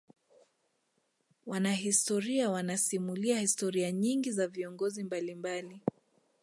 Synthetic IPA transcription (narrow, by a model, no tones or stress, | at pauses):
wanaɦistɔɾiawanasimuliahistɔɾiaɲiŋɡizaviɔŋɡɔzimbalimbali